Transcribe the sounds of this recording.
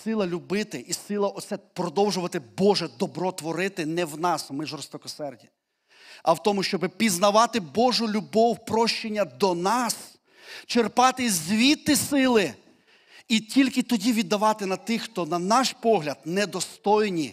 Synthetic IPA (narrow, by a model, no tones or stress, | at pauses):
sɪlˠɐlʲʊbɪt̪ɪʔisɪlˠɐʔɔt̪sɛpɾɔd̪ɔwʒʊʋɐt̪ɪbɔʒɛd̪ɔbɾɔt̪ʋɔɾɪt̪ɪnɛwnɑsmɪʒɔrst̪ɔkɔsɛrdʲi | ɐwt̪ɔmʊʃt͡ʃɔbɪpʲiznɐʋɑt̪ɪbɔʒʊlʲubɔwpɾɔʃt͡ʃenʲːɐd̪ɔnɑs | t͡ʃerpɑt̪ɪzʲʋʲit̪ːɪsɪlˠɪ | itʲilʲkɪt̪ɔdʲiʋʲid̪ːɐʋɑt̪ɪnɐt̪ɪxt̪ɔnɐnɑʃpɔɦlʲɐd̪̚nɛd̪ɔst̪ɔjnʲi